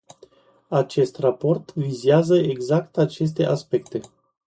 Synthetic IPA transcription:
at͡ʃe̞st̪rapo̞rt̪vizeazəeɡzakt̪at͡ʃe̞s̬t̪e̞ʔaspe̞kt̪e̞

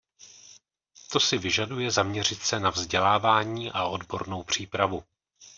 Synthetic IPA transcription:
t̪o̞sɪvɪʒadujɛzamɲɛr̝ɪt̪sɛnavzɟɛlaːvaːɲiːʔao̞dbo̞̰ɾno̞wpr̝̥iːpɾavu

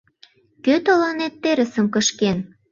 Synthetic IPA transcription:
køt̪olɑnet̪ːeɾə̆sə̆mkəʃken

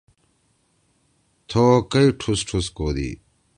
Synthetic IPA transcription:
t̪ʰoːkɐiʈʰusʈʰuskoːd̪ḭː

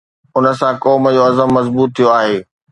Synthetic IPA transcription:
ʊnə̆sãkɔːmd͡ʑoːɐzəmːɐzbuːt̪ʰːijoaːɦeː

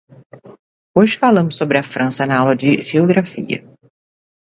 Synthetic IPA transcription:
oʒɪfalɐ̃mʊsːobɾɪɐfɾʔɐ̃sɐnɐawlɐd͡ʒɪʒioɡɾafḭɐ̰

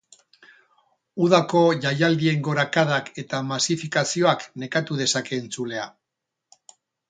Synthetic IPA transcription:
uðako̞ʝajald̪ie̞ŋɡo̞ɾakaðake̞t̪amasifikasio̞akne̞kat̪uð̞e̞sake̞ːnt͡sule̞a

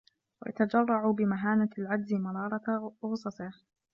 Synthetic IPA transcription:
wa̰ja̰t̪ad͡ʒɑrˤːɑʕubɪmaɦaːnaalʕad͡ʒ̪zɪmɑɾˤɑːɾˤɑɣʊsˤɑsˤɪh

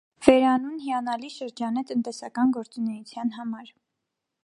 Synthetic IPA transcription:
v̥ɛɾɑnunɦiɑnɑliʃəɾd͡ʒɑnɛt̪ənt̪ɛsɑkɑnɡɔɾt͡sunɛjut͡sʰjɑnɦɑmɑɾ

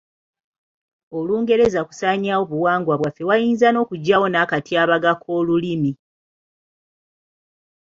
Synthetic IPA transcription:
o̞luːŋɡe̞ɾe̞zaku̥saːɲawo̞βuwaːŋɡwaβwafːe̞wajiːnzano̞ːkuɟːawo̞nakatiaːβaɡakʰo̞ːlulimi

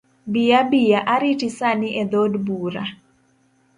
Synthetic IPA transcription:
bijabijaʔaɾitisaniʔɛd̪odbuɾa

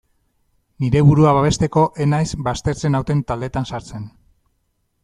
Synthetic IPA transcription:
niɾe̞βuɾuaβaβ̞e̞st̪e̞ko̞ʔe̞najzbast̪e̞ɾt͡se̞nawt̪e̞nt̪ald̪e̞t̪ansaɾt͡se̞n

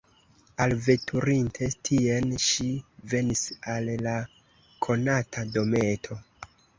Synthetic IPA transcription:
alve̞tʰuɾintʰe̞tʰienʃive̞nisalla | kʰo̞natʰado̞me̞tʰo̞

